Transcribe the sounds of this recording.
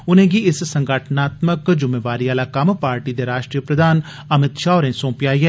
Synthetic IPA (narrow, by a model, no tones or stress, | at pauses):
ʊnẽːɡiɪssə̃ŋɡəʈʰnaːt̪məkd͡ʒʊmeːʋaːɾiaːlakampaːɾʈid̪eɾaːʃʈɾijəpɾəd̪ʱaːn | əmɪt̪ʃaːoɾẽːsõːpjaːiɦɛː